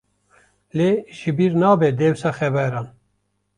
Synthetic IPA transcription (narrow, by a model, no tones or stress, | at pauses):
leːʃɪbiːɾnɑːbɛd̪eːwsɑːxɛbɛɾɑːn